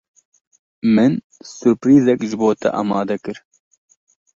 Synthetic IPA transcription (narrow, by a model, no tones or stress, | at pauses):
mɨn | sʊɾpɾiːzɛkʒɨboːt̪ʰɛ̰ʔɑ̰mɑːd̪ɐkɨɾ